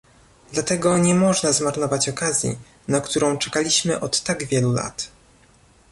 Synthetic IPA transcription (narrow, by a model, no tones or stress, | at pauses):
d̪lat̪ɛɡɔɲɛmɔʐnazmaɾnɔvat͡ɕɔkazʲjḭ | nakt̪uɾɔ̃w̃t͡ʂɛkalʲiɕmɘʔɔt̪ːaɡvʲjɛlula̰t̪